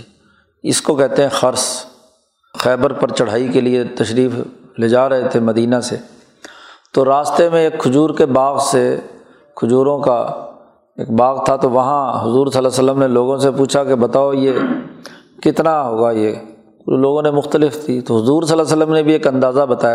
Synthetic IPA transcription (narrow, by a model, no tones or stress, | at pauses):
ɪskokɛɦt̪eɦɛ̃xɐɾs | xɛːbəɾpɐɾt͡ʃɐɽ̤aːikeliet̪ɐʃɾiːf | leːd͡ʒaːɾɐɦet̪ʰemɐd̪iːnase | t̪oɾaːst̪emẽeːkʰːʊd͡ʒuːɾkebaːɣse | kʰʊd͡ʒuːɾõka | ḛːkbaːɣt̪ʰat̪oʋɐɦãɦʊzuːɾsəlːasəlːəmneloːɡõsepuːt͡ʃʰakebɐt̪aːoje | kɪt̪naɦoːɡajeː | loːɡõnemʊxt̪əlɪft̪ʰiːt̪oɦʊzuːɾsəlːasəlːəmnebʱieːkɐ̃nd̪aːzabɐt̪aːja